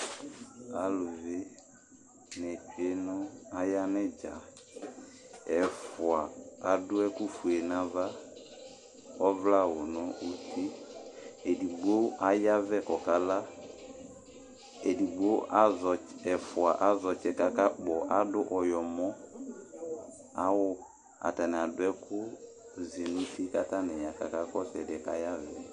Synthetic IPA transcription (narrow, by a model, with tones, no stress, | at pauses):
a˨lu˨ve˦ | nɛ˨t͡ʃe˦nʊ˦a˦ja˦nɛ˦d͡ʒa̰˨ | ɛ˨fʊ˨a˨a˨dʊ˦ɛ˦ku˦fu˨e˨nã˨va˦ | ɔ˦vla˦˨wʊ˨nɔ˦u˦ti˦ | e˨di˨ɡ͡bo˦a˦ja˦vɛ˦˨kɔ˨ka˦la˦ | ɛ˨di˨ɡ͡bo˦a˦zɔ˨ɛ˨fʊ˨a˨ʔa˨˦zɔ˨t͡ʃɛ˦ka˨ka˦k͡pɔ˨ʔa˨˦dʊ˦ʔɔ˨jɔ˨mɔ˦ | a˦wʊ˦ | a̰˨ta˨nɛ˨a˨dʊ˦ɛ˦kʊ˦ | zi˨nu˦si˦ka˦ta˦nɛ˨ja˨ka̰˨ka˦kɔ˦sɛ˨dɛ˨ka̰˦ja˦vɛ˨